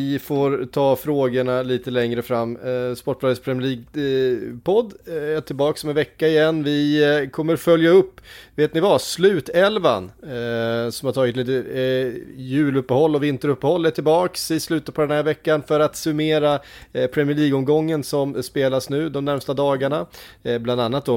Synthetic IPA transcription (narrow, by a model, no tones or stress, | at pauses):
ɪfoːɾt̪ʰɑːfɾoːɡəɳaliːt̪əlɛŋɾəfɾamːspɔʈ̚ːplɑːɡ̪əspʰɾɛmɪəɭiːɡ̚ | pʰɔd̪ːɛʈʰɪlbɑːksɔmɛnvɛkːaɪjɛnːvɪkʰɔmːəɾfœljaɵpːveːt̪nɪvaslʉ̟ːt̪ɛlva̰n | sɔmhaɾt̪ʰɑːɡɪt̪liːt̪ə | jʉ̟ːlɵpːəhɔlːɔvɪnt̪əɾɵpːəhɔlːɛʈʰɪlbɑːksɪslʉ̟ːt̪apʰɔd̪ɛnhæːɾvɛkːanfœɾat̪sɵmeːɾa | pʰɾɛmɪəɭiːɡɔmɡɔŋːənsɔmspeːlasnʉ̟ːd̪ɔmnæɾmst̪ad̪ɑːɡaɳabland̪anːat̪̚d̪ɔ